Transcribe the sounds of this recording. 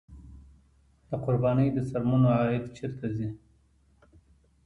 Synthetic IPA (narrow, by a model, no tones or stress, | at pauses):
d̪əqʊɾbɑnəjd̪əsaɾmunoɑɪd̪t͡ʃeɾt̪ʰazi